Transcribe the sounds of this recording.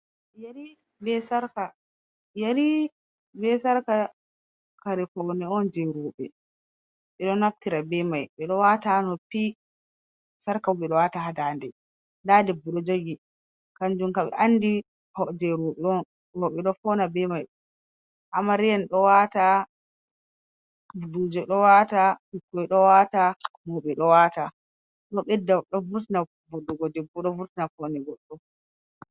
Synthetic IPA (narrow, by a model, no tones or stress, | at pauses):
jaɾi | bɛsaɾka | jaɾi | bɛsaɾka | kaɾɛfɔnɛɔnd͡ʒɛɾuɓɛ | ɓɛɗɔnaftiɾabɛmajɓɛɗɔwatanɔpi | saɾkawuɓɛɗɔwatahadandɛ | ladɛbːuɗɔd͡ʒoɡi | kand͡ʒumkaɓɛ̰ʔanːdi | hɔd͡ʒɛɾuɗɔn | wɔɓɛɗɔfɔnabɛmaj | ʔamːaɾɛjɛnɗɔwata | budud͡ʒɛɗɔwataikːɔjɗɔwatamɔɓɛɗɔwata | ɗɔɓɛdːaɗɔvuɾtina | bɔdːɔɡɔdɛbːuɗɔvuɾtinafɔnɛɡɔɗːɔ